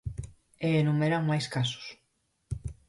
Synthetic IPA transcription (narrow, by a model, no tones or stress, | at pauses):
eːnumeɾaŋmajskasʊ̥s